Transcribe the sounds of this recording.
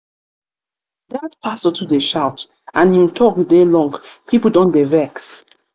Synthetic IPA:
datpʰasɔtudeʃawt | ãnj̃tʰɔkdelɔ̃ŋɡpʰipl̩ˠdɔ̃ndevɛks

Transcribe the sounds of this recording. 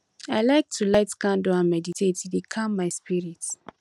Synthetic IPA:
aɪlaɪk̚tʰulaɪtkãndoãnmɛditʰetidikʰãmːaɪspiɹit

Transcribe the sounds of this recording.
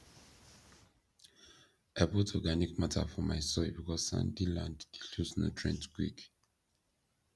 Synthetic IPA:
abɔtɔɡanikmatʰa̰fɔmaɪsɔɹibikɔssã̰ndilãnddilusno̰tʰɹɛ̰̃ntɡɹḭk

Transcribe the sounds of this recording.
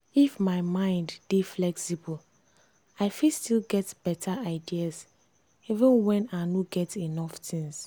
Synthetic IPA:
ifmaɪmãɪ̃ndb̥iflɛksibɔl | aɪfistilɡɛtb̥ɛtʰaaɪdias | ivə̃nwɛ̃nanoɡɛtinɔftʰĩŋs

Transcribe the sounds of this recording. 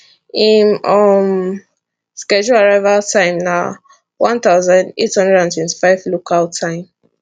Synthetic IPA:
inɔm | skɛd͡ʒuaɹaɪvatʰãɪ̃mna | wãnt̪aʊzãndethʌ̃ndɹɛdãntʰwɛ̃nti̥faɪvlokʰaltʰãɪ̃m

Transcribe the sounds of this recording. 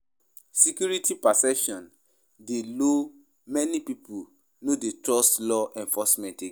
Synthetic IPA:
sikjuɹitipasɛpʃɔ̃n | delo | mɛnipipu | nodetɹɔstlɔʔɛ̃nfɔsmɛ̃nte

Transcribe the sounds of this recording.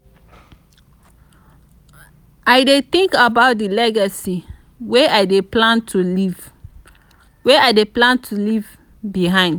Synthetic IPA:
aɪdet̪ĩŋkabaʊt̚dilɛɡasi | weaɪdeplãntʰuliv | weaɪdeplãntʰuliv | biɦãɪ̃nd

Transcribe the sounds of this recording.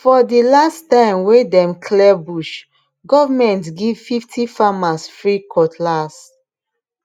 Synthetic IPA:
fɔdilastãɪ̃mwedɛ̃mkʰlɛbuʃ | ɡɔvamɛ̃ntɡivfiftʰifamasfɹikʰɔtʰlas

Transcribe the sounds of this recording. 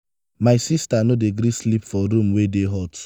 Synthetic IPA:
maɪsistanodeɡɾislipfɔɾũmwedeɦɔt

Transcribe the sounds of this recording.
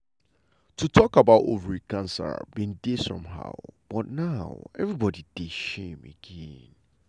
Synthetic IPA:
tʰutʰɔkabaʊto̰vəɹikãnsə̰bĩndesɔ̰̃mɦa̰ʊb̥ɔtnaʊɛvɹibɔdid̥eʃẽmə̰ɡ̥ẽn

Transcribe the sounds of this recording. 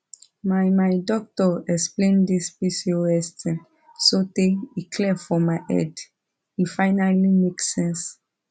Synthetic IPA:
majmajdɔk̚tɔɛksplẽndispisioɛstʰĩn | soteikʰlɛfɔmaɪʔɛ̰d | ifaɪnalimeksɛ̃ns

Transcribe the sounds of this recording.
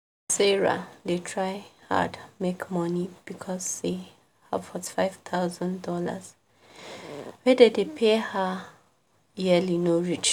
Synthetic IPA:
sɛɹa̰detʰɹajha̰dmekmɔnib̥ikʰɔze | ha̰v̥fɔti̥faɪv̥t̪ʰaʊzə̃ndɔlə̰z̥ | wɛdədepʰehə | jɛlinoɹit͡ʃ

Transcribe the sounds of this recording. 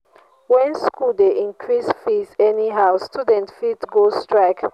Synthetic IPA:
wɛ̃nskuldeʔĩŋkʰɹisfisɛniɦaʊstudɛ̃ntfitɡostɹaɪk

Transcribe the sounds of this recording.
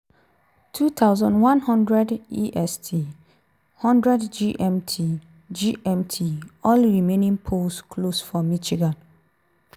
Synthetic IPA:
tʰut̪ʰaʊzɔ̃ndwãnhɔ̃ndɹɛdiʔɛstʰi | hɔ̃ndɹɛdd͡ʒiʔɛmtʰi | d͡ʒiʔɛ̃mtʰiɔlɹimẽnĩŋpʰoskʰlosfɔmit͡ʃiɡãn

